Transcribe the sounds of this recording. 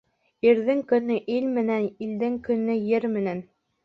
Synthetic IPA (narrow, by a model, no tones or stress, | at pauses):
iɾðɘŋkɵ̆nɘʔilmɘ̆nænild̪ɘŋkɵ̆nːɘjɘɾmɘ̆næn